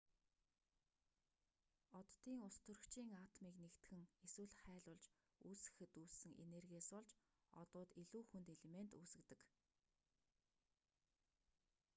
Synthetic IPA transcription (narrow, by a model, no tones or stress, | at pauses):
ɔt̪ːiːŋʊst̪ʰɵ̆r̆kt͡ɕʰiːŋaːt̪ʰɔmiːknekt̪xɘ̆ŋeswɘ̆ɮχæːɮʊːɮt͡ɕ | uːsɘ̥̆xɘ̆t̪uːɮsɘ̆ŋʔḛnerɣʲieːspɔɮt͡ɕ | ɔ̰t̪ʊːt̪iɮuːxunt̪eɮement̪uːsɘ̆kt̪ɘ̆k